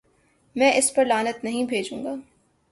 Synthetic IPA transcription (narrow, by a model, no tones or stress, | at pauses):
mɛ̃ːʔɪspɐɾlaːnət̪nɐɦĩbʱeːd͡ʒũːŋɡaː